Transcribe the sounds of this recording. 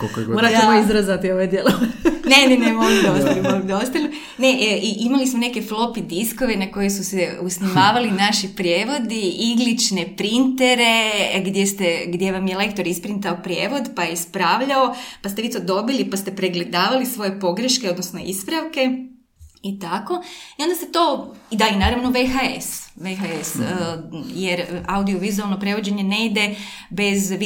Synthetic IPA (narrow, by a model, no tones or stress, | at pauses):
kokooɾaemoizɾazat̪ioʋod̪jelˠone̞nenemoɡud̪ost̪limoɡumd̪ost̪alu | ne̞ʔʔiʔimalismone̞keflˠo̞pid̪isko̞ʋenako̞jesuseusnimaːʋalinaʃipɾjeːʋo̞d̪iiɡlit͡ʃne̞pɾint̪eɾe̞ɡd̪jest̪eɡd̪je̞ʋamjele̞kt̪oɾispɾint̪aopɾje̞ːʋo̞d̪pajespɾaːʋʎaopast̪eʋit̪od̪o̞bilipast̪e̞pɾeɡle̞d̪aːʋalisʋo̞je̞po̞ɡɾeʃkeod̪nosno̞ḭspɾaʋke̞ | it̪ako̞io̞nd̪aset̪o̞id̪ainaːɾaʋnoʋexaesʋexaes | je̞ɾaud̪ioʋizualˠno̞pɾe̞ʋo̞d͡ʑe̞ɲe̞ne̞id̪e̞ | be̞z